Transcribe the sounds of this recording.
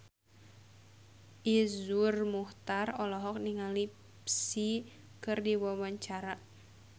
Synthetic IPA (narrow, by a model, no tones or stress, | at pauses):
ʔizurmuht̪arɔlɔɦɔk̚niŋali | psi | kɨrdiwawaɲt͡ʃaɾa